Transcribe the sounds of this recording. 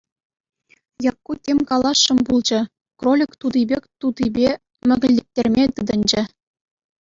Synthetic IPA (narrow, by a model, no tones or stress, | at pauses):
jɑkːutʲemʲkɑlˠɑʂːɤ̆mbulˠd͡ʑɤ̆ | krolʲikt̪ud̪ibʲekʲt̪ud̪ibʲe | mʲɘ̆ɡʲɘ̆lʲːĕk̚tʲerʲmʲet̪ɯd̪ɤ̆nʲd͡ʑɘ̆